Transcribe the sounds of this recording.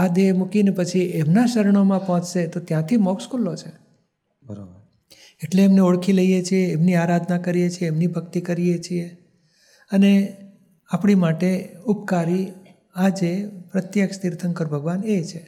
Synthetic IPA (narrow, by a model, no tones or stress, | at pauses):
ad̪emukinepət͡ʃʰiemnaʃəɾəɳ̃omãpɔɦɔ̃t͡ʃʃet̪ot̪jãt̪ʰimɔkskulot͡ʃʰe | bəɾabəɾ | eʈleːmneoɭkʰiləɦijet͡ʃʰijeːmniaɾad̪ʱnakəɾijet͡ʃʰieːmnibʱəkt̪ikəɾijet͡ʃʰie | əne | apɽimaʈeupkaɾi | ad͡ʒepɾət̪jəkst̪iɾt̪ʰəŋkəɾbʱəɡʋanet͡ʃʰe